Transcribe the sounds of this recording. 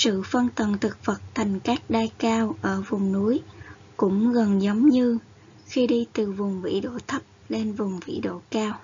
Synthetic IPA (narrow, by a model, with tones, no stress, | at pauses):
sɨ̰˧˨fə˧nt̪ə˨˩nt̪ʰɨ˨˩k̚və˨˩t̚t̪ʰa˨˩jŋ̟kaː˦˥k̚ɗaː˧jkaː˧wʔəː˧˩vʊ˨˩ŋ͡mnu˨˦əj | kʊ̰˧˥ŋ͡mɣə˨˩nzə˨˦wŋ͡mɲɨ˧ | xi˧ɗi˧t̪ɨ˨˩vʊ˨˩ŋ͡mvḭ˧˥ɗo̰˧˨t̪ʰə˦˥p̚le˧nvʊ˨˩ŋ͡mvḭ˧˥ɗo̰˧˨kaː˧w